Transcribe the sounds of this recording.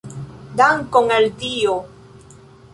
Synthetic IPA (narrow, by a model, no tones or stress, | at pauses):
d̪aŋkoŋald̪io